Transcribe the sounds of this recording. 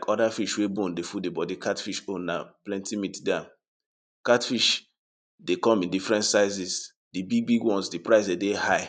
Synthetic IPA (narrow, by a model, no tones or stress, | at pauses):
kɔdafiʃwebõndefudebɔdikʰatfiʃonaplɛ̃ntimitdãn | katfiʃ | dekɔ̃mĩndifɹɛ̃ntsaɪzis | dibiɡ̚biɡwɔ̃nsdipɹaɪsdedehaɪ